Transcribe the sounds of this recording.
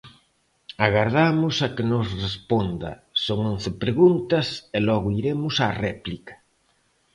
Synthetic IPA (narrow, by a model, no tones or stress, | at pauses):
aɣaɾðamʊsɐkɪnʊsrespond̪ɐ̰soŋõn̟θɪpɾeɣunt̪ɐselɔɣʊiɾemʊsarɛplikɐ̥